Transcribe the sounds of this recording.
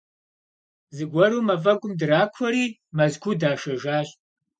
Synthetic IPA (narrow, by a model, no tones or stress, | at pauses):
zɨɡʷɔɾuːmɐfɐɡʷʼʊmdɨɾaːkʷʰɔɾiːmɐzkʷʰuːdaːʃɐʒaːɕʼ